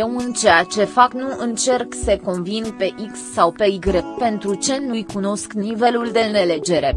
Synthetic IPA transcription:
jewunt͡ʃejat͡ʃe̞faknuɨnt͡ʃe̞rkseko̞nvinpe̞ʔiksːawpe̞iɡɾepe̞nt̪ɾut͡ʃe̞nujkuno̞sknive̞luld̪e̞ɨne̞le̞d͡ʒe̞ɾe̞̰

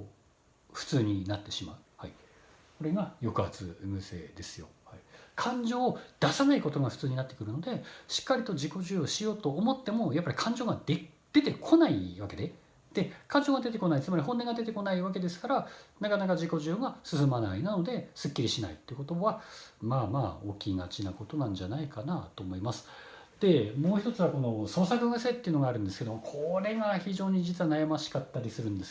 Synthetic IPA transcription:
ɸɯ̟̥t͡sɨːɲ̟inat̪ːe̞ɕima̰ɯ̟hai | ko̞ɾe̞ɡajo̞kɯat͡sɨ̰mɯ̟se̞̰ːd̪e̞sɨjo̞̰haikʰãɲ̟d͡ʑo̞ːd̪̥asanaiko̞t̪o̞ɡaɸɯ̟̥t͡sɨːɲ̟inat̪ːe̞kɯ̟ɾɯ̟no̞d̪e̞ɕi̥kːaɾʲit̪o̞d͡ʑiko̞ʑɨːoɕijo̞ːt̪o̞ːmo̞t̪ːe̞mo̞japːaɾʲikʰãɲ̟d͡ʑo̞ːɡad̪e | d̪̥e̞t̪e̞kʰo̞naiβake̞d̪e | d̪̥e̞kãɲ̟d͡ʑoːɡad̪e̞t̪̬e̞ko̞nait͡sɨmaɾʲihõ̞nːeŋɡad̪e̞t̪e̞ko̞naiβake̞d̪e̞sɨ̥kaɾanakanakad͡ʑiko̞ʑɨːŋɡasɨsɨmana̰inano̞d̪e̞sɨkʲːiɾʲiɕina̰ḭt̪ːeɯ̟ko̞t̪o̞βamaːma̰ːo̞̰ːkʲiŋa̰t͡ɕinako̞t̪o̞nãɲ̟d͡ʑanaikana̰t̪oːmo̞imasɨ̥d̪̥e̞moːçi̥t̪o̞t͡sɨβako̞no̞so̞ːsakɯɡase̞t̪ːeɯ̟no̞ɡaːɾɯ̟̃nd̪esɨ̥ke̞d̪omokʰoɾe̞ɡaçiʑo̞ːɲ̟id͡ʑit͡sɨβanajamaɕi̥kat̪ːaɾʲisɨɾɯ̟̃nd̪e̞sɨ̥

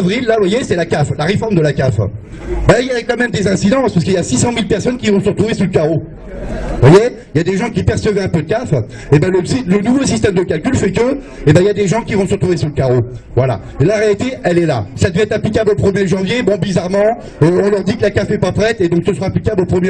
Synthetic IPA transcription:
vʁilːavwajesɛlakaflaʁefɔʁmd̪əlakʲaf | bailjaʁeklamɛmd̪ezɛ̃sid̪ɑ̃spaʁsəkəiljasisɑ̃milpɛʁsɔnkʲivɔ̃səʁət̪χuvesuləkʲaʁo | vwaje | iljad̪eʒɑ̃kʲipɛʁsəvɛɛ̃pød̪əkaf | ebɛ̃ləsilənuvosist̪ɛmd̪əkʲalkʲylfɛkə | ebɛ̃iljad̪eʒɑ̃kʲivɔ̃səʁət̪χuvesuʁləkʲaʁovwala̰ | elaʁealit̪eʔɛlɛla̰sad̪əvɛɛt̪χaplikʲablopχəmjeʒɑ̃vjebɔ̃bizaʁmɑ̃ | øɔ̃lœʁd̪ikəlakafɛpapχɛt̪ed̪ɔ̃ksəsəʁaːplikʲablopχəmj

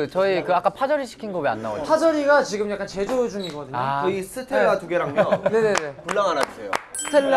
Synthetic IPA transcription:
ɯt͡ɕʌikɯak͈apʰad͡ʑʌɾiɕʰi̥kʰinɡʌbia̰nːa̰ɡo̰pʰad͡ʑʌɾiɡat͡ɕiɡɯmjak͈ant͡ɕe̞d͡ʑod͡ʑuŋiɡʌdɯɲoɯisʰɯtʰeɡatuɡeɾamɡne̞nene̞puɭːaŋɦanat͡ɕ͈ejo̰stʰe

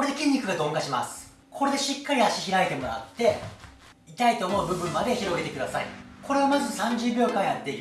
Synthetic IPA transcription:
koɾe̞d̪e̞kʲĩɲʲːikɯ̟ɡad̪õ̞ŋkaɕimasɨ̥ | kʰo̞ɾe̞d̪e̞ɕikːaɾʲiaɕiçiɾaet̪e̞mo̞ɾa̰t̪ːe̞ | it̪ait̪o̞ːmo̞ɯbɯ̟bɯ̟̃mːad̪e̞çiɾo̞ɡe̞t̪e̞kɯd̪asaḭko̞ɾe̞amazɨsãɲd͡ʑɨːbʲjo̞ːkãjat̪ːe̞i

